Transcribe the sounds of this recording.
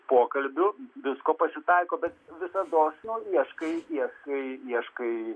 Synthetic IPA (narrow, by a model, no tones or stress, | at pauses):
poːkɐlʲbʲʊʋʲɪskoːpɐsʲɪt̪ɐɪkoːbʲɛt̪ʋʲɪsɐd̪oːsnʊiɛʃkɐɪiɛʃkɐɪiɛʃkɐɪ